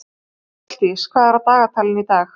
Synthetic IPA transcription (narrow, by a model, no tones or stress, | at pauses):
t̪iskʰvaðaɾat̪aːɣat̪ʰalɪnit̪aːx